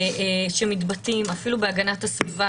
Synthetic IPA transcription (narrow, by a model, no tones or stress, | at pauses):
ʃemitbatimafilubeaɡanathasviva